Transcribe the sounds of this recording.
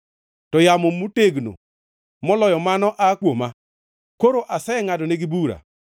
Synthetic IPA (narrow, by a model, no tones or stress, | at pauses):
tɔjamomuteɡno̰ | mɔlɔjɔmanɔʔakwoma | koɾoʔasɛŋadɔneɡɪbuɾa̰